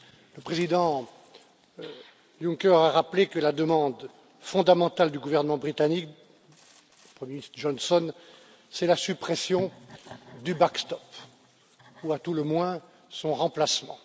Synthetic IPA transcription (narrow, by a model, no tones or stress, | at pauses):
ləpχezid̪ɑ̃ | jũŋkɛʁaʁaplekəlad̪əmɑ̃d̪ | fɔ̃d̪amɑ̃t̪ald̪yɡuvɛʁnəmɑ̃bʁit̪anik | pχəmjeinist̪ʒɔnsɔn | sɛlasypχɛsjɔ̃ | d̪ybakst̪ɔp | uat̪uləmwɛ̃ | sɔ̃ʁɑ̃plasmɑ̰̃